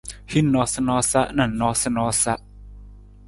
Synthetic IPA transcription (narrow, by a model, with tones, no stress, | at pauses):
hi˦˨nːɔ˦sa˧nɔ˧˦sa˦˥ʔna˧˩˨nnːɔ˧˦sa˧˦nɔ˧˦sa˦ʔ